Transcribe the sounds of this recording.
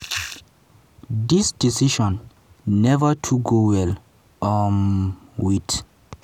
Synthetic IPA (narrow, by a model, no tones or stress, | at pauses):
disd̥isiʃɔ̃nː | ɛvatʰuɡowɛl | ɔnwit